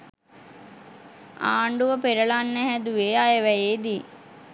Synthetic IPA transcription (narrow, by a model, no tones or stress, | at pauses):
a̰ːɳɖuʋəpeɾəɭanːəɦæd̪uʋeːajəʋæjeːd̪i